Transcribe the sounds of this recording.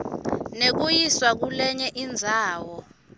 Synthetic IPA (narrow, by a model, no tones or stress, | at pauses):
nek̬ujiswak̬ulɛɲɛʔind͡zʱaːwɔ